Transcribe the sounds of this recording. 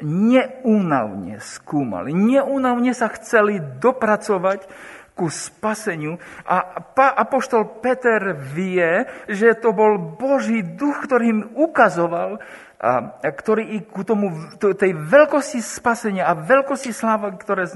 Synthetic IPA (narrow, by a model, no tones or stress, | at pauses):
ɲɛuːna̰ʊɲɛ̰skuːma̰liɲɛʔuːnaʊɲɛsaxt͡sɛlid̪ɔpɾat͡sɔʋackuspasɛɲɪuʔapaʔapɔʃt̪ɔlpɛt̪ɛɾʋɪɛʒɛt̪ɔbɔlbɔʒiːd̪uxkt̪ɔɾiːmukazɔʋal | akt̪ɔɾiːikut̪ɔmut̪t̪ɛjʋɛlkɔscispasɛɲɪaːʋɛlkɔscislaːʋakt̪ɔɾɛː